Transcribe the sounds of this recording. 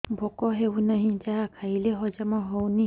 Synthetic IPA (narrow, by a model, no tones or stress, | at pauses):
bʱɔkɔɦeunaɦĩd͡ʒaakʰaileɦɔd͡ʒamɔɦɔwni